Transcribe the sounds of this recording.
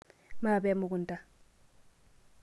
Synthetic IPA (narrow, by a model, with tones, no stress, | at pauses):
maː˦˨bɛ˦mu˨ku˨n˨ta˦